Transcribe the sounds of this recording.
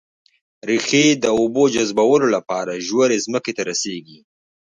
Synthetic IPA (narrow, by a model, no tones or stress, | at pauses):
ɾixed̪əobod͡ʒazbawəlolapɑɾaʒwaɾezməket̪aɾaseɡi